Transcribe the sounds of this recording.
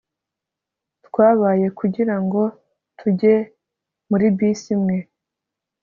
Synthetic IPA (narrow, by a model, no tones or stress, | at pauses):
tkwaːβaːje̞kuɟiɾaŋɡo̞ | tʰuɟe̞ | muɾibiːsimŋe̞